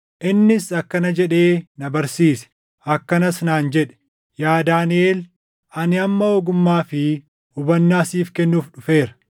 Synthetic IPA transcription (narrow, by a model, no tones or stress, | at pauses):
ʔɪnːɪsɐkːɐnɐd͡ʒɛᶑe̞ːnɐbɐɾsiːsɛ̥ | ɐkːɐnɐsnaːnd͡ʒɛᶑɛ̥ | jaːd̪aːnɪeːl | ɐnɪɐmːɐoːɡʊmːaːfɪ | ʊbɐnːaːsiːfkɛnːuːfᶑʊfe̞ːɾɐ̥